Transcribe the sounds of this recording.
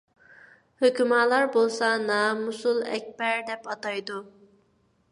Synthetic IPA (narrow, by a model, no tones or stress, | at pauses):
høkʲymɑːlˠɑɾbolˠsɑnɑmusulˠɛ̰k̚ʲbɛɾd̪ɛpɑt̪ɑjd̪u